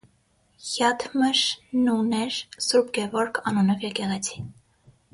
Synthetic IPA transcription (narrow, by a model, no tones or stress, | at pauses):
hjɑt̪ʰməʃnunɛɾsuɾbɡɛvɔɾkʰɑnunɔvjɛkɛʁɛt͡sʰi̥